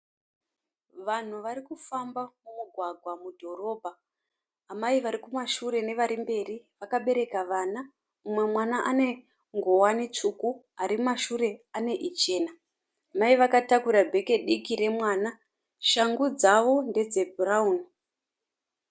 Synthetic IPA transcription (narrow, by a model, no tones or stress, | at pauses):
ʋan̤uʋaɾikufambamumuɡʱwaɡʱwamudʱo̞ɾo̞ːbʱa | ɦːmaiʋaɾikumaʃuɾe̞ne̞ʋaɾimbe̞riʋakaɓe̞ɾe̞kaʋaːna | umwe̞mwanaʔane̞ | ŋɡowanit͡ʂuku | aɾimmaʃuɾe̞ane̞ʔit͡ʃe̞ːna | amaiʋakatakuɾabʱe̞ke̞ɗikiɾe̞mwaːna | ʃaŋɡud͡zaʋo̞nde̞d͡ze̞bʱurauni